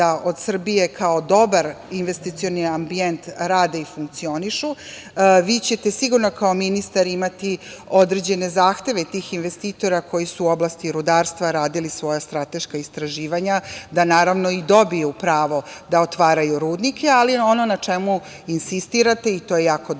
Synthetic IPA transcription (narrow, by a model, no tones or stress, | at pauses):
aʔo̞d̪sr̩bije̞kʰao̞d̪o̞baɾinʋest̪it̪sio̞niambient̪ɾaːd̪eifuŋk̚t̪sio̞niʃu | ʋiːt͡ɕet̪e̞siɡuɾno̞kao̞minist̪aɾimat̪iod̪ɾed͡ʑe̞ne̞zaːxt̪e̞ʋet̪iːxinʋe̞st̪iːt̪o̞ɾakʰo̞jisuːo̞blˠast̪iɾud̪aːɾst̪ʋaɾaːd̪ilisʋo̞jast̪ɾat̪e̞ʃkaist̪ɾaʒiːʋaɲad̪anaːɾaʋno̞id̪o̞bijupɾaːʋo̞d̪aot̪ʋaːɾajuɾuːd̪nikʰʲealio̞no̞nat͡ʂemu | insist̪iɾat̪e̞it̪oje̞jaːko